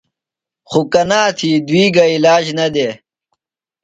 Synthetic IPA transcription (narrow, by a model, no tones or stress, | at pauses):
xukɐnaːt̪ʰid̪wiːɡɐilaːd͡ʑnɐd̪eː